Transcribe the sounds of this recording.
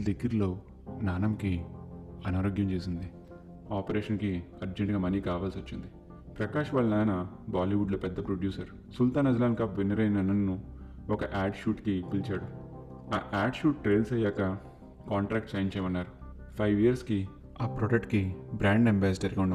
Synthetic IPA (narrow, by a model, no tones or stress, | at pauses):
d̪eɡːiɾlo̞ː | naːnɐmki | ɐnaːɾoːɡjɐmt͡ʃeːsind̪i | aːpɐɾeːʃɐnki | ɐɾd͡ʒeɳʈɡaːmɐnikaːʋaːlsot͡ʃːind̪i | pɾɐkaːʃɐʋaːɭːɐnaːjɐnɐ | baːliʋuɖloːpɛd̪ːɐpɾoɖjuːsɐɾ | sult̪aːnɐd͡ʒlaːnkɐpʋinɐɾɐjnɐnɐnːu | ɔkɐʔaːɖʃuːʈkipilt͡ʃaːɽu | aːʔaːɖʃuːʈːʈɾeːlsɐjaːkɐ | kaːɳʈɾaːk̚ʈt͡ʃɐːjiɲt͡ʃɛjmɐnːaːɾu | pʰɐjʋijɐɾski | aːpɾoɖɐk̚ʈ̚kibɾaːɳɖembaːsʈɐɾɡauɳɐ